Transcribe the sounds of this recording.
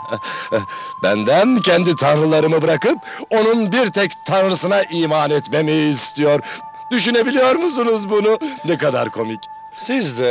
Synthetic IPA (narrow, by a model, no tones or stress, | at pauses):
bænd̪æncʰɛnd̪it̪ʰanɾɯlˠaɾɯmɯbɯɾakɯp̚ | o̞nunbiɾt̪ʰɛct̪ʰanɾɯsɯnaʔiːmaːnɛt̪me̞mejiːst̪ʰijo̞ɾ | d̪̥yʃyne̞bilʲijo̞ɾmus̬unuzbununɛkad̪aɾkʰo̞mic | sizd̪ɛ